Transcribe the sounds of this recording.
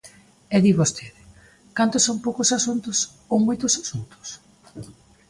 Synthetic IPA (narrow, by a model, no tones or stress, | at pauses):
ɛðiβost̪ʰeðɪ | kant̪ʊsoŋpowkʊsasunt̪ʊs | oŋmojt̪ʊsḁsunt̪ʊ̥s